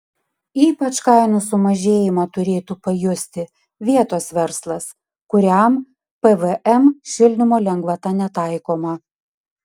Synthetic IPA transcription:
iːpɐt͡ʃkɑˑɪnʊsʊmɐʒʲeːjɪmɑːt̪ʊɾʲeːt̪uːpɐjʊsʲt̪ʲɪ | ʋʲiɛt̪oːsʋʲɛɾslˠɐs | kʊɾʲæˑm | pɛʋɛʔɛmʃʲɪlʲnʲɪmoːlʲɛŋɡʋɐt̪ɑːnʲɛt̪ɑˑɪkoːmɐ

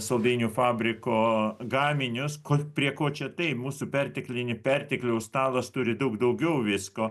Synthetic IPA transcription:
sɐlˠd̪ɐɪnʲuːfɑːbʲɾʲɪkoːɡɑːmʲɪnʲʊskopʲɾʲiɛkoːt͡ʃʲɛt̪ɐɪpmuːsupʲɛrʲt̪ʲɪklʲɪnʲɪpʲɛrʲt̪ʲɪklʲɛʊst̪ɑːlˠɐst̪ʊɾʲɪd̪ɐʊɡd̪ɐʊɡʲɛʊʋʲɪskoː

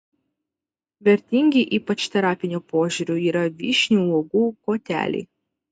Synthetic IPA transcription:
ʋʲɛɾʲt̪ʲɪŋʲɡʲɪʔiːpɐt͡ʃt̪ʲɛɾɑːpʲɪnʲuːpoːʒʲuːɾʲuiːɾɐʋʲḭːʃʲnʲuːˑloːɡuːkoːt̪ʲæ̰ːlʲɛ̰ɪ

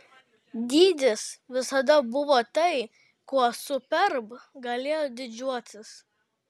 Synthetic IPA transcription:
d̪ʲiːd̪ʲɪsʋʲɪsɐd̪ɐbʊʋoːt̪ɐɪ | kuɔsʊpʲɛɾbɡɐlʲeːjod̪ʲɪd͡ʒʲuɔt̪ʲɪs

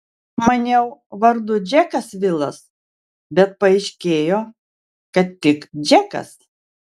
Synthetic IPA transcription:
mɐnʲɛʊʋɐɾd̪ʊd͡ʒʲɛkɐsʋʲɪlˠɐs | bʲɛt̪̚pɐɛɪʃʲkʲeːjoː | kɐt̪tʲːɪkd͡ʒʲɛkɐ̰s

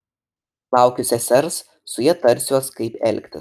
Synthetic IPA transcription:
lˠɑˑʊkʲʊsʲɛsʲɛɾs | sʊjɛt̪ɐɾʲsʲuɔskɐɪpɛ̰lʲkʲt̪ʲɪ̰

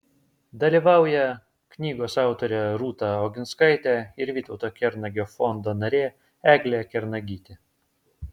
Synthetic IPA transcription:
d̪ɐlʲiːʋɑˑʊjɛ | knʲiːɡoːsɑˑʊt̪oɾʲɛɾuːt̪ɑoɡʲɪnskɐɪt̪ʲɛɪɾʋʲiːt̪ɒʊt̪oːkʲɛɾnɐɡʲoːfɔnd̪oːnɐɾʲeː | æːɡlʲeɛkʲɛɾnɐɡʲiːt̪ʲe

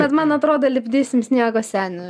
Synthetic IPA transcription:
bʲɛt̪mɐnɐt̪ɾoːd̪ɐlʲɪbʲd̪ʲeːsʲɪmsʲnʲiɛɡosʲæːnʲɛ

